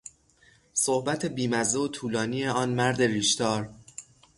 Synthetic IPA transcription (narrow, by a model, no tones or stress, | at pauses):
sohbæt̪ʰebiːmæzd̪eot̪ʰuːlɒːniːjeɒːnmæɾd̪e̞ɾiːʃt̪ɒːɾ